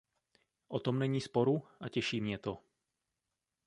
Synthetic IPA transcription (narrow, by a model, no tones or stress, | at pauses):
ʔot̪o̞mnɛɲiːspo̞ɾuʔacɛʃiːmɲɛt̪o